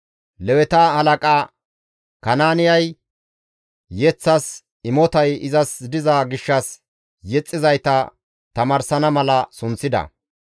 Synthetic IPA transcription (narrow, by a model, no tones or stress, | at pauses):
lɛwɛt̪ahɐlɐkʼaː | kɐnaːnɪjɐj | jɛt͡sːɐs | ɪmɔt̪ɐjɪzɐsd̪ɪzaːɡɪʃːɐs | jɛt͡sʼːɪzɐjt̪ɐ | t̪ɐmaːɾsɐnɐmɐlɐsʊnt͡sːɪd̪ɐ̰